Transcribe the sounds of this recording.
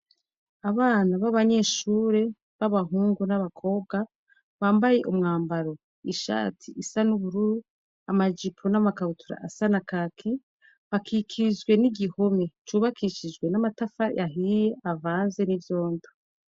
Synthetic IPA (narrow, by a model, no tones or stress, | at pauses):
aβaːnaβaβaɲe̞ːʃuːɾe̞ | βaβaɦuːŋɡunaβakʰo̞ːβ̚ɡa | βaːmbaje̞ʔumŋaːmbaɾo̞ | iʃa̰ːtʰiʔːsanuβuɾuɾu | amad͡ʒipʰonamakaβutʰuɾa̰ʔːsanakakʰi | βakʰikʰid͡ʒɡwe̞niɟiho̞me̞t͡ʃuːβakʰiʃid͡ʒɡwe̞namatafajʔaɦijeʔavaːnze̞nivjo̞ːndo